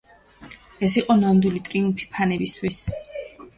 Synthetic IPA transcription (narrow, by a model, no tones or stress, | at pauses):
ɛsiqʼɔnamd̪ilit̪ʼɾiumpʰi̥pʰanɛbist̪ʰwis